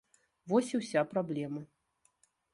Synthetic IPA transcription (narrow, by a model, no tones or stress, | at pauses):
vɔsʲiwsʲapɾablʲɛmɐ